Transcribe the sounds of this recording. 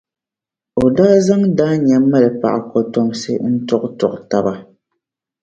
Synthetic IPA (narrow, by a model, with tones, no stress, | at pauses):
o˨daː˦za˦ŋdaː˦ɲa˨mːa˦˨lɛ˨pa̰˨ʔa˨kɔ˨tɔ˨msɛ̰˦n̩˦tɔ˦ktɔ˨kta˨ba˨